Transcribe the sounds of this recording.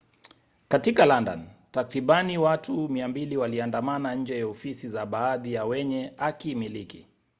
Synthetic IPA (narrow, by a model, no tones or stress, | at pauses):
katikalanda̰ntakɾiɓaniwatumiambiliwaliandamanaɲ̩d͡ʒɛjaɔfisizaɓaːðijawɛɲɛakimilikḭ